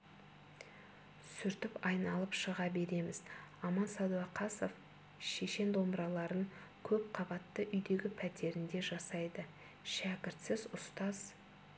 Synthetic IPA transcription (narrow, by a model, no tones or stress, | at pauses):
sʏɾt̪ɪpɑjnɑlˠəpʃəʁɑbe̞ɾe̞mɪzɑmɑnsɑd̪uɑqʰɑso̞f | ʃe̞ʃe̞nd̪o̞mbɾɑlˠɑɾəŋkʲʰɵp̚qʰɑbɑt̪ːəʔʏjd̪e̞ɡʲɪpʰæt̪e̞ɾɪnd̪e̞ʒɑsɑjd̪ə | ʃækʲɪɾt̪sɪzʊst̪ɑz̥